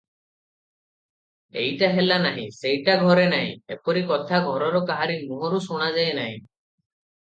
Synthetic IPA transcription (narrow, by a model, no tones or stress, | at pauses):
eɦjʈaɦelanaɦḭ̃sejʈaɡʱɔɾenaɦḭ̃epɔɾikɔt̪ʰaɡʱɔɾɔɾɔkaɦaɾinuɦɔɾusuɽ̃ad͡ʒaenaɦḭ̃